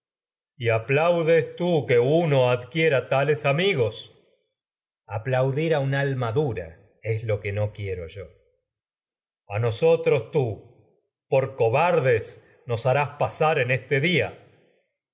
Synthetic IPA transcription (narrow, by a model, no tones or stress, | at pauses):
iaplawðest̪ukeuno̞aðkjeɾat̪alesamiɣo̞s | aplawðiɾaunalmaðuɾa̰ | eslo̞kenokje̞ɾoʒo̞ | ano̞so̞t̪ɾo̞st̪u | po̞ɾko̞βaɾðes | no̞saɾaspasaɾenest̪eðia̰